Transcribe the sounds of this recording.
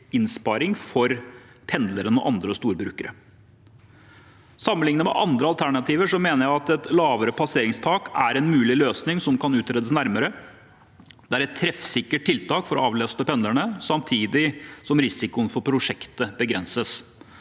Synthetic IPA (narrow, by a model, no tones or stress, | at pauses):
ɪnspɑɾɪŋfɔɾ | pʰɛnd̪ləɾənɔ̰ʔɑnd̪ɾəst̪uːɾbɾʉːkəɾə̰ | sɑmːəlɪŋnəmɛ̰ʔɑ̰nd̪ɾəɑlt̪ʰæɳɑt̪ʰiːʋəʂɔmeːnəɾæɪɑt̪ɛt̪lɑːʋəɾəpʰɑseːɾɪŋst̪ʰɑːkæɾɛnmʉːlɪløːsnɪŋsɔmkʰɑnʉːt̪ɾeːd̪əsnæɾməɾə | d̪ɛæɾɛt̪ʰːɾɛfsɪkːəʈ̚ʈʰːɪlt̪ʰɑːkfɔɾɔɑːʋløːst̪əpʰɛnd̪əɳəsɑmt̪ʰiːd̪ɪsɔmɾɪsɪkʊənfɔɾpʰɾʊʂɛkt̪əbəɡɾɛnsəs